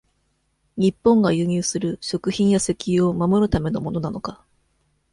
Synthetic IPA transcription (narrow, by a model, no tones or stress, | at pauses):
ɲ̟ipːõ̞ŋɡajɯ̟ːɲ̟ɨːsɨɾɯ̟ɕo̞kɯ̟çĩɰ̃jase̞kʲio̞mamo̞ɾɯ̟t̪ame̞no̞mo̞no̞nano̞ka